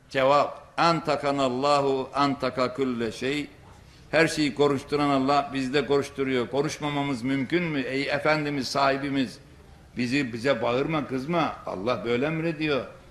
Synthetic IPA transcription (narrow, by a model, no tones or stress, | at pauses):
d͡ʒɛvab̚ænt̪ʰakʰanalˠːɑːɦuænt̪ʰɑkakʰulːɛʃej | hæɾʃe̞jikʰo̞ɾuʃt̪ʰuɾanɑlˠːɑhbizd̪ɛko̞ɾuʃt̪ʰuɾujokʰo̞nuʃmamamɯzmymcʰynmiejɛfænd̪imizsaːhibimiz | bizibizɛbaɯɾmakɯzmaɑ̰lˠːɑhbø̞jlʲɛmiɾed̪ijo̞